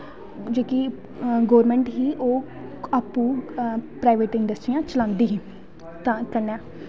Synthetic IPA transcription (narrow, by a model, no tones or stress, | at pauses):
d͡ʒoːki | ɡoːʋɾmẽːɳʈɦiːʔoː | aːpːũːpɾaːɪʋeːʈɪɳɖəsʈɾiːjãːt͡ʃəlãːnd̪iːɦĩː | akəɾnɛː